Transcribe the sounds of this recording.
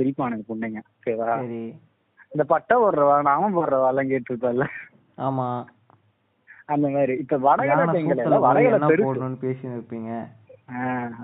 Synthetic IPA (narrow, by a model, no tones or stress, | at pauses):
pɪɾɪpːaːnɐŋɡɐpʊɳɖeːŋɡɐseʋaːɐɾi | ɪnd̪ɐpɐʈːɐ̃pɔɾɾɐʋãːnãːʋɐ̃poɾɾɐʋãːlːãːkeːʈʈːɯɾɯpːɐ̃ːɪlːɐ | aːmaː | ɐnd̪ɐmaːɾiɪpːɐʋɐɽɐɡɐɐɐŋɡɐɭɐlːãʋɐɽɐɡɐlɐpɛɾɯːɯɯnːɯpeːsnɪɾɯpːiːŋɡɐ | aː